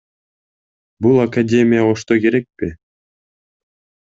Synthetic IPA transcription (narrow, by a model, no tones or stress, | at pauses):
bulˠakadʲe̞mʲɪjaoʃt̪oke̞ɾe̞k̚pɪ